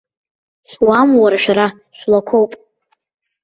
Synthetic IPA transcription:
ʃʷwamwaɾaʃʷᶣaɾa | ʃʷᶣlakʷʰowpʼ

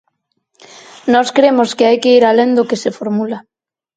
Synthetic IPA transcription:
nɔskɾemoskeajkeiɾalend̪okesefoɾmula

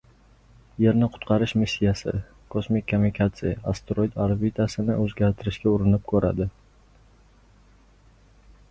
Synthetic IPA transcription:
je̞ɾnɪqʰʊ̥t̪qʰɑɾɪʃmɪsʲːijasɪ̰ | kʰosmɪkʲʰːomɪkʰat̪sɪjaast̪ɾojt̪aɾbit̪ʰasɪnɪ̰ʔɵzɡʲaɾt̪ʰɪɾɪʃkʲaʊɾɪnɪp̚kʰɵɾa̰d̪ɪ

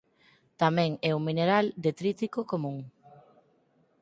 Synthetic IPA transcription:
t̪amɛ̃ŋɛumineɾald̪et̪ɾit̪ikokomũŋ

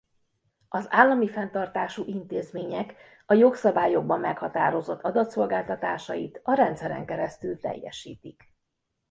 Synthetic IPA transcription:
ɒzaːlːɒmifɛnt̪ɒrt̪aːʃuʔint̪eːzmeːɲɛk | ɒjo̞ksɒbaːjo̞ɡ̚bɒmːɛkhɒt̪aːɾo̞zo̞t̪ːɒd̪ɒt̪so̞lɡaːlt̪ɒt̪aːʃɒjit̪ɒɾɛnt̪sɛɾɛ̰ŋkɛɾɛst̪ylt̪ɛ̰jːɛ̰ʃḭːt̪ik

